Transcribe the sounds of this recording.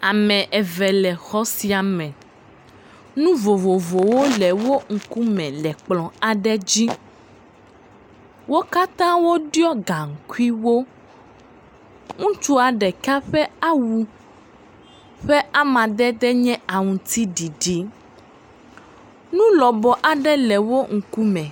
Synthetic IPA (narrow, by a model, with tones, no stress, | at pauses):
a˨mɛ̃˨ʔɛ˨vɛ˨lɛ˨xɔ˦si˨a˨mɛ̃˨ | nũ˦vo˨vo˨vo˨wo˦lɛ˨wo˦ŋ̩˨ku˦mɛ̃˨lɛ˨k͡plɔ̃˨a˨ɖɛ˦d͡ʑi˦ | wo˦ka˦t̪ã˦wo˦ɖjɔ˦ɡa˨ŋ̩˨ku˦i˦wo˦ | ŋũ˦t͡ʃu˦a˨ɖɛ˨ka˦ɸɛ˦a˦wu˨ | ɸɛ˦a˦mã˨d̪ɛ˦d̪ɛ˦ɲɛ̃˦a˨ŋũ˨t̪i˦ɖi˨ɖi˨ | nũ˦lɔ˨bɔ˨ʔa˨ɖɛ˦lɛ˨wo˦ŋ̩˨ku˦mɛ̃˨